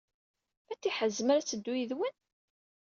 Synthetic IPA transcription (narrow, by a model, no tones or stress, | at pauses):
æt͡sːiħəzːəmaɾæt͡sːəd̪ːujəðwən